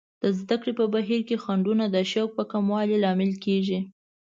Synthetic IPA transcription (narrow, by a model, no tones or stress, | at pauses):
d̪̥əzd̪akɽepəbaɦiɾkexaɳɖunad̪əʃawk̚pəkamwɑlilɑmɪlkeʒi